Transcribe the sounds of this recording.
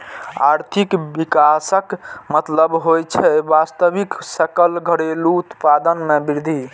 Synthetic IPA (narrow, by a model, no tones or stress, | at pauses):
a̰ɾt̪ʰikbikasəkmət̪ləbɦojt͡ʃʰɛbast̪əbiksəkəlɡʱəɽeluːt̪pad̪ənmebiɾd̪ʱi